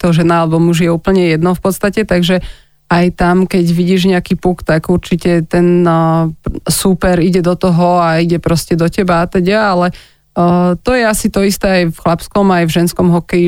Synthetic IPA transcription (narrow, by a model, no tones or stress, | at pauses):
t̪ɔʒɛnaalbɔmuʒjɛuːpl̩ɲɛjɛd̪nɔfpɔt̪st̪acɛt̪aɡʒɛ | ajt̪amkɛɟʋiɟiːʒɲɛakiːpukt̪aɡuɾt͡ʃicɛt̪ɛn | supɛɾiɟɛd̪ɔt̪ɔɦɔaiɟɛpɾɔscɛd̪ɔcɛbat̪ɛɟaalɛ | t̪ɔjɛasit̪ɔist̪ɛajfxlapskɔmajvʒɛnskɔmɦɔkɛji